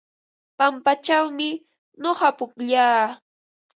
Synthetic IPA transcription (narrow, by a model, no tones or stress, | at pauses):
pampat͡ʃawmɪ | noɢɑpʊkʎaː